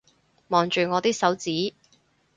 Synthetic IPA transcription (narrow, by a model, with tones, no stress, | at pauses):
mɔː˨ŋt͡ʃyː˨˩ŋɔː˨˧t̪iː˥k̚sɐ˨˥wt͡siː˨˥